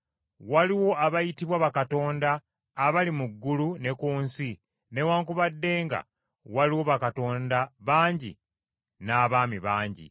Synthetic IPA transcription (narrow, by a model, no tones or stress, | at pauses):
waliwo̞ʔaβajitiβwaβakato̞ːndaː | βalimuɡːulune̞kuːnsi | ne̞waːŋkuβadːe̞ːŋɡa̰ | waliwo̞βakato̞ːndaβaːɲɟḭ | naːβaːmiβaːɲɟḭ